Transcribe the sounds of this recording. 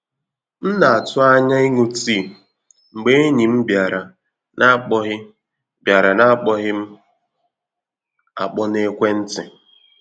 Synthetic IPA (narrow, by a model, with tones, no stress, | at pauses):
n̩˦na˨a˨tʊ˦a˦ɲa˦i˦ŋu˦tiː˦˨ | ŋ͡m̩˨ɡ͡be˦ɲi˨m̩˦bja˨ɾa˨ | nʔa˦k͡pɔ˦ɦɪ˦ | bja˨ɾa˨na˦k͡pɔ˦ɣɪ˦m̩˦ | a̰˨k͡pɔ˦ne˦kʷe˦n̩˦tɪ̰˨